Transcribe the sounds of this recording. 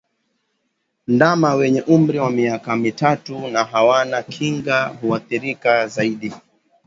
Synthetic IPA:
ndamawɛɲɛʔum̩ɾiwamiakamitatunaɦawanakʰiŋɡaɦuaθiɾikazaiɗi

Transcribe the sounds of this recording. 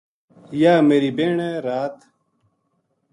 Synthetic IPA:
jaːmeːɾibeːɳeːɾaːt̪

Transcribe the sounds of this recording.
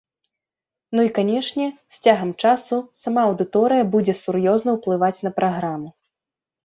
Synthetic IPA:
nuikanʲɛʂnʲɛsʲt͡sʲaɣɐmt͡ʂasusamaɐwd̪ɨt̪ɔɾɨjɐbud͡zʲɛsuɾjɔznɐwplˠɨvat͡sʲnɐpɾaɣɾamu

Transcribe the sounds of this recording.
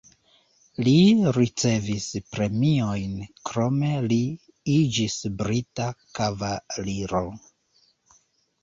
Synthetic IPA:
liɾit͡se̞vispɾe̞mio̞jnkɾo̞me̞li | id͡ʒisbɾitakavaliɾo

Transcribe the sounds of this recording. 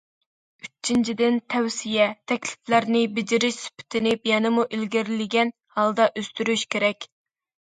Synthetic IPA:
yt͡ʃʰːint͡ʃʰid̪ɪnt̪ʰɛwsijɛt̪ʰɛkʲlɪ̥flæɾnɪbɪd͡ʒɪɾɪʃsy̥pʰɪ̥t̪ʰɪnɪpjɛnɪmuʔilɡʲiɾɪlɪɡʲɛn | hɑlˠd̪ɑʔøst̪yɾyʃkʲʰeɾɛkʲ

